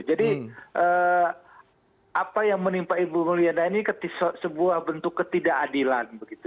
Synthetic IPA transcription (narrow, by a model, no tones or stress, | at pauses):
d͡ʒadiʔəː | apajaŋmənimpaibuməlianainikət̪isəsəbuahbənt̪ʊkːət̪idaʔadilanbəɡit̪u